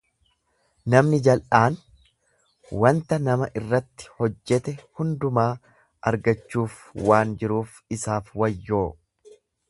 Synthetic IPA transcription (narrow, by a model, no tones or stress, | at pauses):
nɐmnɪd͡ʒɐlʔaːn | wɐnt̪ɐnɐmɐʔɪrːɐt̪ːɪ̥hɔd͡ʒːɛt̪ɛhʊnd̪ʊmaː | ɐɾɡɐt͡ʃːuːfwaːnd͡ʒɪɾuːf | ɪsaːfwɐjːoː